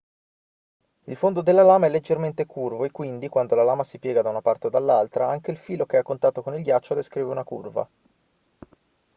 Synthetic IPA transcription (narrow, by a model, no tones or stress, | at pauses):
ilfond̪od̪elːalaːmaɛlːed͡ʒːerment̪ekurvoekːwind̪ikwand̪olalaːmasipjɛːɡad̪aunapart̪eod̪alːalt̪ɾaaŋk̟eilfiːlokeakːont̪aːt̪okonilɡjat͡ʃːod̪eskɾiːveunakurva̰